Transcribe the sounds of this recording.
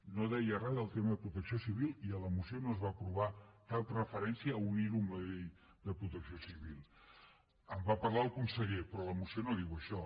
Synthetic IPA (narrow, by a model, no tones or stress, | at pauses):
noðɛjərɛðəlˠt̪eməðəpɾut̪əksiosiβ̞ilˠiələmusionoəzβapɾuβ̞ak̪alˠt̪rəfəɾɛnsiəːuniɾumləʎej | d̪əpɾut̪əksiosiβilˠ | əmbapəɾlaəlˠkunsəʎepɾɔləmusionoðiwəʃɔ